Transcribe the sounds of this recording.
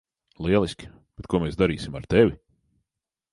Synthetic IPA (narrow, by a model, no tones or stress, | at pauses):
lˠiɛlˠisʲkʲi̥ | b̥et̪̚kuɔmeːsd̪aɾḭːsimaɾt̪ɛvʲi